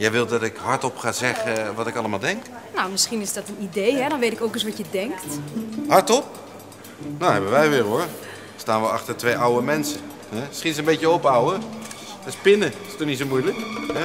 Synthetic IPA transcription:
jɛjʋɪlˠdɑtɪkɦɑɹtɔpχaːzɛχəʋɑtɪkɑlˠəmalˠdɛŋk | nawmɪsχinɪzdɔtənidejɦɛdɔnʋejtɪkowkəs̬ʋɑtjədɛŋktɦɑɹtɔp̚ | doɦɛbənʋɛjʋɪːɹɦʊːɹ | staːnʋəɑχtəɹtʋejʔawəmɛnsə | ɦɛmɪsχinɪs̬ənbejtjəɔpawəəspɪnəɪstɔɹnits̬omujləkɦɛ

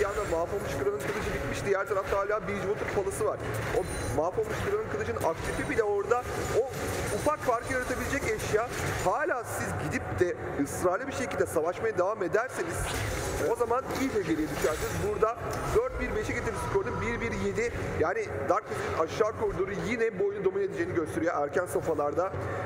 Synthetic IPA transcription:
jand̪amaːfomuʃkʰɯɾanɯnkʰɯlˠɯʃ̬ɯbit̪miʃd̪ijæɾt̪ʰaɾaft̪ʰaɦaːlʲaːbid͡ʒmot̪ʰuɾpʰalˠasɯvaɾ̥o | maːfomuʃkɯɾanɯnkʰɯlˠɯʃɯnaft̪ʰefibilʲɛo̞ɾd̪aoufakfaɾkʰɯjaɾat̪ʰabilʲed͡ʒɛceʃjaːhaːlʲaːsizɟid̪ip̚d̪̥ɛ | ɯsɾaːlʲˠɯbiʃe̞cilʲd̪ɛsavaʃmajad̪evaːme̞d̪æɾsiniz̥o̞zamanilʲd͡ʒɛɟelʲijed̪yʃæɾsinizbuɾd̪ad̪øɾt̪̚biɾbeʃɛcit̪ʰiɾisko̞ɾd̪ɯmbiɾbiɾje̞d̪ijaːnid̪aɾktesinaʃːaɾkʰuɾd̪uɾujinɛbojnud̪o̞mine̞d̪ed͡ʒejniɟøst̪ʰe̞ɾijoʔæɾcʰænsofalˠaɾd̪a

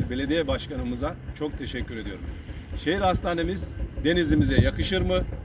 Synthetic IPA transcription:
ɾbe̞lʲe̞d̪ijɛbaʃkanɯmɯzat͡ʃʰo̞k̚t̪ʰe̞ʃɛcʲːyɾe̞d̪ijo̞ɾumʃe̞jiɾhast̪ʰaːne̞mizd̪e̞nizimizɛjakɯʃɯɾmɯ

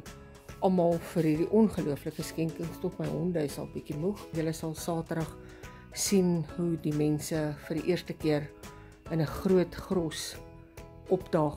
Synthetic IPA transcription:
ʔɐlˠmɑːlˠfərɦiːrdiʔɔnχəluəfləkəskɛŋkəŋstɔtməjɦɔndəsɐ̰lˠbikimuχjələsɐlˠsɑːtədɐχ | sinɦudimɛnsəfərdiʔiərstəkiər | ənəχruətχrɔs | ʔɔpdɑː

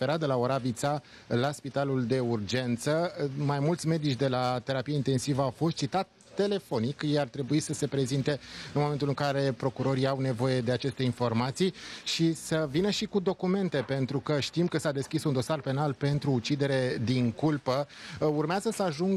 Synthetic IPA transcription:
eɾat̪d̪əlaoɾavit̪sa | laspit̪aluld̪e̞urd͡ʒe̞nt̪səmajmult̪sʲme̞d̪it͡ʃʲd̪e̞lat̪e̞ɾapijaint̪e̞nsivəawfo̞st̪̚t͡ʃit̪at̪ːe̞le̞fo̞nikjejart̪ɾe̞buisəse̞pɾe̞zint̪e̞ɨnmoment̪ulɨŋkaɾe̞pɾo̞kuɾo̞ɾiawne̞vo̞je̞d̪e̞at͡ʃe̞st̪e̞info̞rmat̪sijʃisəvinəʃikud̪o̞kume̞nt̪e̞pe̞nt̪ɾukəʃt̪imkəsad̪e̞skʲisund̪o̞sarpe̞nalpe̞nt̪ɾuːt͡ʃid̪e̞ɾe̞d̪iŋkulpəurmeazəsəaʒuŋ

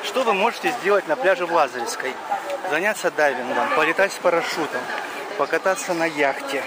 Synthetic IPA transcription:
ʂt̪ovɨmo̞ʐɨtʲɪzʲdʲe̞lˠətʲnɐplʲaʐɨvlˠazəɾʲɪfskəjzɐnʲat̪sːəd̪avʲɪnɡəmpəlʲɪt̪atʲsʲpəɾɐʂut̪əm | pəkɐt̪at̪sːənɐjaxtʲɪ

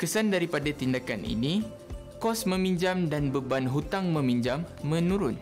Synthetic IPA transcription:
kəsandaɾipadat̪indakanḭni | kɔsmə̃miɲd͡ʒamdanbəbanɦut̪aŋmə̃mĩɲd͡ʒamːə̃nũɾʊn

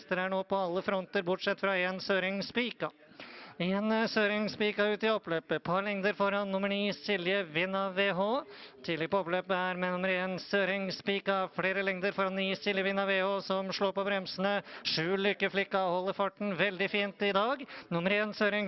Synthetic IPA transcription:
t̪əɾæɳoːpʰɔɑlːəfɾɔnt̪əɾbʊʈʂɛt̪ːfɾɑeːnsøːɾɪŋspiːkɑ | eːnsøːɾɪŋspiːkɑʉːt̪ɪɔpːløːpəpʰɑɾlɛŋd̪əɾfɔɾɑnnʊməɳiːsɪlːɪjəʋɪnːɑʋeːɦoːt̪ʰiːd̪lɛɡ̚pʰɔɔpløːpəæɾmɛnʊməɾeːnsøːɾɪŋspiːkɑfleːɾəlɛŋd̪əɾfɔɾɑnːiːsɪljəʋɪnːɑʋeːhoːsɔmʂɭoːɾpɔbɾɛmsənəʂʉːlʏkːəflɪkːɑhɔlːəɾfɑʈɳ̩ʋɛld̪ɪfiːnt̪ɪd̪ɑːɡnʊməɾeːnsøːɾɪŋ

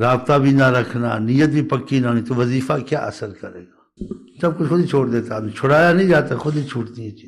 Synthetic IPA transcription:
ɾaːbt̪abʱiːnaɾəkʰna̰ːnijət̪̚bʱiːpəkːinanĩt̪oʋəziːfakja̰ːʔə̰səɾkəɾḛːɡaː | sɐb̚kʊt͡ʃxʊd̪it͡ʃʰoːɽd̪eːt̪abit͡ʃʰʊɽaːjanĩd͡ʒaːt̪axʊd̪it͡ʃʰʊʈd̪iɛt͡ʃiː

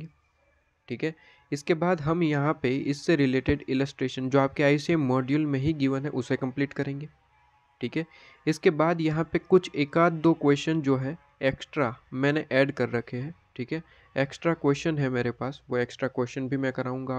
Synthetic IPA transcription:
e | ʈʰiːkɦɛː | ɪskebaːd̪ɦɐmjɐɦãpeɪsːeɾɪleːʈɪɖɪləsʈɾeːʃə̃nd͡ʒoːaːp̚keaːɪsiemɔːɖijəlmẽɦiɡiːʋənɦɛ̃ʔʊsekɐ̃mpliːʈkɐɾẽːŋɡeː | ʈʰiːkɦɛː | ɪskebaːd̪jɐɦãpekʊt͡ʃʰeːkaːt̪̚d̪oːkweːsʈənd͡ʒoːɦɛ | eːksʈɾamɛ̃ːneʔɛːɖkɐɾːɐkʰeɦɛ̃ːʈʰiːkɦɛː | eːksʈɾakweːsʈənɦɛ̃meːɾepaːsʋoeːksʈɾakweːsʃənbʱimɛ̃kɐɾaːũːŋɡaː

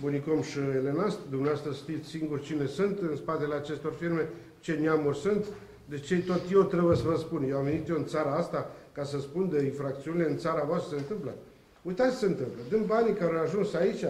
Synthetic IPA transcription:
bunikomʃiele̞nast̪d̪umneaoast̪ɾəʃt̪it̪sʲsiŋɡurʲt͡ʃine̞sunt̪ɨnspat̪eleat͡ʃe̞st̪o̞rfirme̞ | t͡ʃe̞niamurʲsunt̪ | d̪et͡ʃe̞t̪ot̪je̞ot̪ɾebujesəvəspunjewamve̞nit̪jeɨnt̪saɾaast̪akasəspund̪eiɱfɾak̚t̪siunile̞ɨnt̪saɾavoast̪ɾəseɨnt̪ɨmplə | ujt̪at̪sʲsəɨnt̪ɨmpləd̪ɨnd̪banikaɾaaʒunsait͡ʃʲa

